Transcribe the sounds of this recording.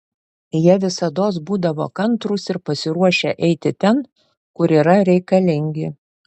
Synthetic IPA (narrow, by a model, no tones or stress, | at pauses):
jɛʋʲɪsɐd̪oːs̬buːd̪ɐʋo̰ːkɐnt̪ɾuːsɪɾpɐsʲɪɾuɔʃʲɛʔɛɪt̪ʲɪt̪ʲɛn | kʊɾiːɾɐɾʲɛɪkɐlʲɪŋʲɡʲɪ